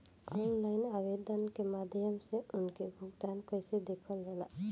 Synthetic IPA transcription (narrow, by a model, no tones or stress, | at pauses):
ɔnlaɪnabed̪ənkemad̪ʱjəmseʊnkebʱuɡd̪ankɔjsed̪ekʰɔlɾɛla̰